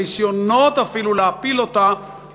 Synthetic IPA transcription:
isjonːɔt̪afilulapilot̪a

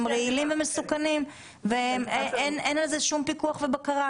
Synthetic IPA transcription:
mʁeilimvemesukanim | veemeenenalzeʃumpikuaχvebakaʁa

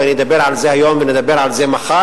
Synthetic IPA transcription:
ɪnɪd̪abeːɾʕalzeːhajomvɪnɪd̪abeɾalzeːmaχa

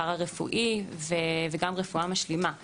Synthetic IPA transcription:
aʁaʁefṵʔiveveɡamʁefuamaʃlima

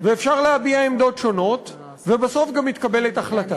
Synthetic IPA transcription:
veefʃaʁlehabiaemd̪o̞tʃo̞no̞t | vebaso̞fɡamit̪̚kabe̞letaχlata

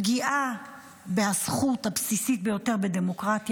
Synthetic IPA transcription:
ɡiʔa | beasχut̪habsisit̪̚bejo̞te̞ʁbed̪emo̞kʁat̪

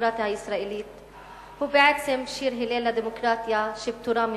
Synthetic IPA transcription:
ɾaːt̪ɪsɾɐʔɪliːt̪ | ubɛʕɛt̪sɛmʃiːɾħɪleːlɐd̪ɛmʊkɾaːt̪jɐʃɪb̚t̪uɾɐːm

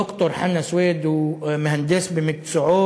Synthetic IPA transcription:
ʊkt̪oɾˤħanːæsweːd̪wmhænd̪esbɪmɪksʊʕuː

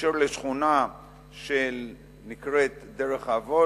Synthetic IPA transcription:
eɾleʃχuna | ʃel | nikʁet̪deʁeχavo

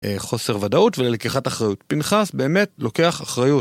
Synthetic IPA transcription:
eχo̞se̞ʁvadautvelelekiχataχʁajutpinχasbe̞ːme̞tlo̞ke̞aχaχʁajut

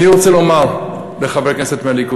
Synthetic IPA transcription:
niʁot͡selomaʁ | leχave̞kneset̪mealiku

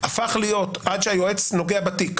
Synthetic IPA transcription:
afaχlijo̞tʔad̪ʃeajo̞e̞t͡sno̞ɡeabatik

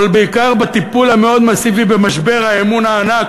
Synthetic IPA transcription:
lbeikaʁbat̪ipulame̞o̞d̪masivibemaʃbe̞ʁhaemunaːnak

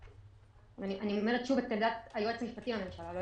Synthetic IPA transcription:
aniʔanioomeʁet̪ʃuvet̪emd̪at̪ajuet͡semiʃpat̪imame̞mʃalalo

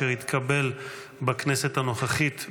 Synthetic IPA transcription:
eʁit̪kʰabe̞l | baknese̞t̪hano̞χaχit̪

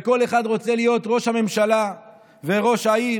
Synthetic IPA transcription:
eko̞le̞χad̪ʁo̞t͡se̞lijo̞t̪ʁo̞ʃhame̞mʃala | ve̞ʁo̞ʃhai

